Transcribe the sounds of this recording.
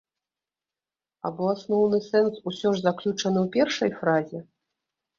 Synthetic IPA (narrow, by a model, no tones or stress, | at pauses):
a̰bɔasnɔwnɨsɛnsusʲɔʐzaklʲut͡ʂɐnɨwpʲɛrʂɐjfɾazʲɛ